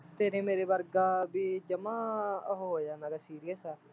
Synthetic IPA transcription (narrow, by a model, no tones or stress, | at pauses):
t̪eːɾẽːmeːɾeːbəɾɡaːbiːd͡ʒəmãːɦoɦoːjaːnaːɡasiːɾɪjəsaː